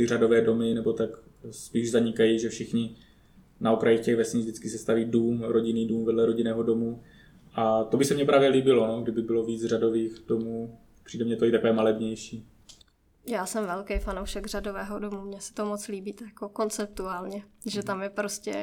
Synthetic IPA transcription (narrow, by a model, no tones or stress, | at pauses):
ɪrado̞vɛːdo̞mɪnɛbo̞t̪ak | spiːʒzaɲɪkajiʒɛfʃɪxɲɪ | naokɾajixcɛɣvɛsɲizdɪt͡skɪsɛst̪aviːduːmɾoɟɪniːduːmvɛdlɛɾoɟɪnɛːɦo̞do̞mu | ʔat̪obɪsɛmɲɛpɾaːvjɛliːbɪlo̞noɡdɪbɪbɪlo̞viːt͡sr̝ado̞viːxdomuː | pr̝̥iːdɛmɲɛt̪oit̪akovɛːmalɛbɲɛjʃiː | jaːsɛmvɛlkejfanowʃɛɡr̝adovɛːɦodomuːmɲɛsɛ̥t̪omot͡sliːbiːt̪jakoko̞nt͡sɛp̚t̪uaːlɲɛʒɛt̪amjɛpɾoscɛ̰